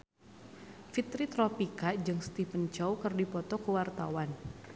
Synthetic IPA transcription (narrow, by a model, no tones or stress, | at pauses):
fit̪ɾit̪ɾɔpikad͡ʒɨŋst̪ipənt͡ʃawkərdipɔt̪ɔkəwart̪a̰wan